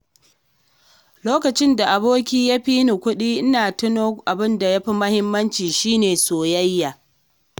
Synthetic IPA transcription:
loː˦kɐ˨t͡ʃɪ˦nda˨ʔa˨boː˦kʲiː˦ja˦ɸiː˦nu˨kʷʊ˦ɗiː˦ʔɪ˦naː˨tɪ˦noː˦ʔa˨bɪ˦nda˨ja˦ɸi˦mɐ˦hɪ˦mːɐ˦nt͡ʃiː˨ʃiː˦neː˨soː˨jɐ˦jːa˨

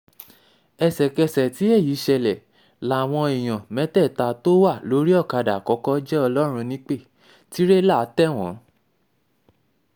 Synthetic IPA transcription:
ɛ˨sɛ˨kɛ˧sɛ˨ti˨˦ɛ˦˨ji˨˦ʃɛ˧lɛ˨ | la˨w̃ɔ̃˧i˨j̃ã˨mɛ̃˨˦tɛ˦˨ta˧to˦wa˦˨lo˨˦ɾi˦ɔ˦˨ka˧da˨kɔ˧˦kɔ˦d͡ʒɛ˦ɔ˧lɔ˦ɾ̃ũ˧nĩ˦k͡pe˦˨ | ti˦ɾe˦la˦˨˦tɛ˦˨w̃ɔ̰̃˨˦

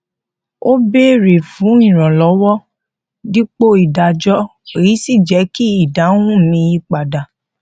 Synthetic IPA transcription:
o˦be˦ɾe˨fũ˨˦ĩ˦˨ɾ̃ɔ̃˨lɔ˨˦wɔ˦ | di˦k͡po˦i˨da˨d͡ʒɔ˦e˨ji˨˦si˦˨d͡ʒɛ˨˦ki˦i˦˨da˨˦ũ˦˨mĩ˧ji˦k͡pa˨da˨

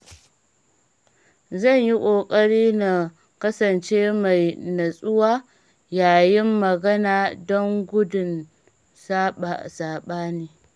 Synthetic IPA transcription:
zɐ˦˨ɲji˦kʷʼoː˨kʼɐ˦ɽiː˦na˨ | kɐ˦sɐ˨nt͡ʃeː˦ma˨jnɐ˨sʼʊ˦waː˦ | jaː˨jɪ˦mːɐ˨ɡɐ˦naː˨dɔ˦ŋɡʷʊ˦dʊ˨n | saː˦ɓa˨saː˨ɓaː˦niː˦

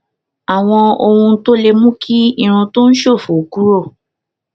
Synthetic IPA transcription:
a˨w̃ɔ̃˧o˧hũ˧˦to˦le˧mũ˦kʰi˦ĩ˦˧˨ɾ̃ũ˧to˦n̩˦ʃo˦˨fu˨ku˦ɾo˦˨

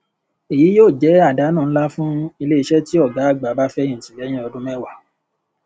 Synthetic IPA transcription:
e˨ji˨˦joː˦˨d͡ʒɛ˨˦a˦˨da˨˦nãː˦˨ñ̩˦la˦fũ˦i˧le˦i˧ʃɛ˦ti˦ɔ˦˨ɡa˨˦a˦˨ɡ͡ba˨˦ba˦fɛ˦ĩ˦˨tĩ˨lɛ˨˦j̃ĩ˦ɔ˧dũ˦mɛ˦wa˦˨

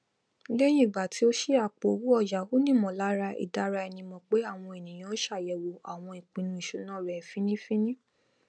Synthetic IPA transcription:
lɛ˦j̃ĩ˦i˨ɡ͡ba˨tʰi˨˦o˦ʃi˦a˨k͡po˨o˨wu˦ɔ˧˨d͡ʒa˨o˦nĩ˦˨mɔ̃˨la˨˦ɾa˧ḭ˨da˧˦ɾa˧ɛ˧nĩ˧mɔ̃˧k͡pe˨˦a˦˨w̃ɔ̃˧e˨nĩ˨j̃ã˦o˦ʃa˦˨jɛ˨wo˨a˨w̃ɔ̃˧i˨k͡pĩ˨nũ˧˦i˨ʃu˨˦nãː˦˨ɾɛ˨fĩ˦nĩ˦fĩ˦nĩ˦

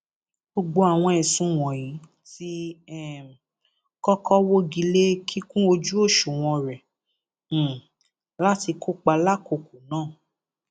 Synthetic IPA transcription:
ɡ͡bo˨ɡ͡bo˧˦a˨w̃ɔ̃˧ɛ˨sũ˧w̃ɔ̃˨jĩ˨˦ | ti˧ɛ˦˨ | kɔ˦kʰɔ˦wo˦ɡi˧le˦kʰi˦kũ˦o˧d͡ʒu˦o˦˨ʃu˨w̃ɔ̃˧ɾɛ̃˨ | la˦ti˧ko˦k͡pa˧la˦ko˧˨ku˨nãː˦˨

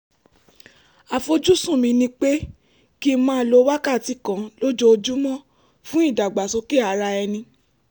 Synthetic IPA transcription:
a˨fo˧d͡ʒu˦sũ˦˨mĩ˧nĩ˧˦k͡pe˦ | ki˦mãː˦˧˦lo˧˦wa˦ka˦˨ti˨˦kã˨lo˦d͡ʒo˦o˧d͡ʒu˦mɔ̃˦˨ | fũ˦i˦˨da˨ɡ͡ba˨so˧ke˦˨a˧˦ɾa˧ɛ˧nĩ˧

